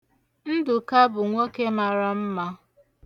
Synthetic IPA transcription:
n̩˦dʊ˨ka˦bʊ˨ŋʷo˦ke˦ma˨ɾa˦m̩˦ma˦

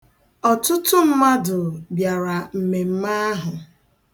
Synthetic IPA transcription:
ɔ˨tʊ˦tʊ˦m̩˦ma˦dʊ˨bja˨ɾa˨m̩˨me˨m̩˦ma˦ɦʊ˨

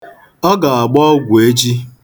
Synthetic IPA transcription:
ɔ˦ɡa˨a˨ɡ͡bɔ˦ɡʷu˨e˦d͡ʒi˦

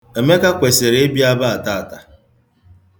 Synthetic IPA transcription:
e˨me˦ka˦kʷe˨se˨ɾe˨˦e˦bi˦a˦ba˦a˨ta˦˨ta˨

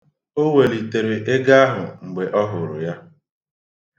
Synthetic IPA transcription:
o˦we˨li˨te˨ɾe˨ʔe˦ɡa˦a˦ɦʊ̰˨ŋ͡m̩˨ɡ͡be˨ʔɔ˦ɦʊ˨ɾʊ˨ja˦

